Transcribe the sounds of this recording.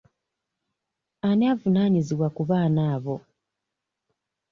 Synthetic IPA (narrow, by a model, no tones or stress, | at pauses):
anaːvunaːɲiziβwakuβaːnaːβo̞